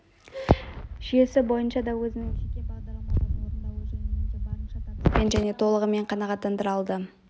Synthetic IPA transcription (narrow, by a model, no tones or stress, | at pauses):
ʒ̥ije̞sɪbo̞jənʃɑd̪ɑwɵzɪnɪŋʃekʲebɑʁd̪ɑɾlˠmɑəoɾənd̪ɑwɵʒennenʒæne̞t̪ʰo̞lˠəʁəme̞ɴqʰɑnɑʁɑt̪ːɑnd̪əɾɑlˠd̪ə